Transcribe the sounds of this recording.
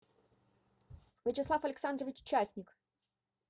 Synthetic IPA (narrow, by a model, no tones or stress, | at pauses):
vʲɪt͡ɕɪslˠafɐlʲɪksand̪ɾəvʲɪt͡ɕʊ̥t͡ɕasʲnʲɪk